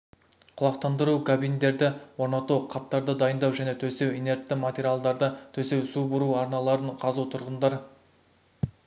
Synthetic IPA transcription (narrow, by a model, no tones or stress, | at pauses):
qʰʊlˠɑqt̪ɑnd̪əɾukʰabijnd̪e̞ɾd̪ɪwo̞ɾnɑt̪uqʰɑp̚t̪ɑɾd̪əd̪ɑjənd̪ɑwʒæne̞t̪ʰɵse̞wine̞ɾt̪ːɪmat̪ʲeɾʲialˠd̪ɑɾd̪ət̪ʰɵse̞wsubʊɾuɑɾnɑlˠɑɾəɴqʰɑzut̪ʰʊɾʁənd̪ɑɾ